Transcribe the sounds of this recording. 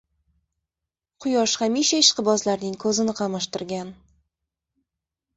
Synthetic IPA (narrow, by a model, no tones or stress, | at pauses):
qʰʊjɒʃχamiʃaɪʃqɨbɒzlaɾnɪŋkʰɵzɪnɪqʰɑmaʃt̪ɪɾɡʲan